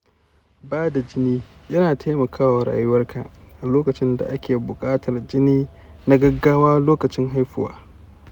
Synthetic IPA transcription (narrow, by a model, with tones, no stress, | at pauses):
baː˦da˨d͡ʒɪ˦niː˦jɐ˦naː˨tʰa˦mɐ˨kʰaː˦wa˨ɾa̰ː˨jʊ˦wɐ˦rka˨ʔa˨loː˦kɐ˨t͡ʃɪ˦nda̰˨ʔa˦kʲeː˨bʊ˨kʼaː˦tʰɐ˨rd͡ʒɪ˦niː˦ | na˦ɡɐ˦ɡaː˦waː˦loː˦kɐ˨t͡ʃɪ˦ŋɦa˦jɸʊ˦wa̰ː˦